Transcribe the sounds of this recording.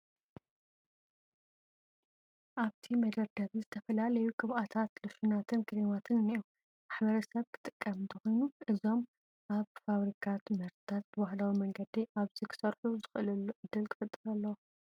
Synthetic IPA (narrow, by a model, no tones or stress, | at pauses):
ʔaβt̪ʰimɐd̪ɐɾd̪ɐβizɨt̪ʰɐfɐlalɐjukʼɨβʔat̪ʰat̪lɨʃunat̪ʰɨnkʰɨɾimat̪ʰɨnniu | maħbɐɾɐsɐβkʰɨ̥t̪ʼɨkʼːɐmɨnt̪ʰɐxojnuʔɨzo̞m | ʔaβfaβɾikʰat̪mɐɾt̪t̪ʰat̪̚bwahlawimɐŋɡɐd̪iʔaβzikʰɨ̥sɐɾħuzɨxʔɨlɐlːuʔɨd̪ːɨlkʰɨfɨt̪ʼːɨɾɐlːɐw